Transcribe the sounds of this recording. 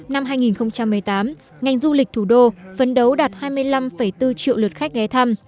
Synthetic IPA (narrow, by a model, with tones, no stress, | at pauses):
na˧mɦaː˧jŋi˨˩nxə˧wŋ͡mt͡ɕa˧mː˨˩əjt̪aː˨˦m | ŋa˨˩jŋ̟zu˧lï˨˩k̚t̪ʰu˧˩ɗo˧fə˨˦nɗə˨˦wɗaː˨˩t̚haː˧jmɨ˧əjla˧mfə˧˩jt̪ɨ˧t͡ɕḭ˧˨wlə˨˩t̚xa˦˥k̟̚ɣɛ˨˦jt̪ʰa˧m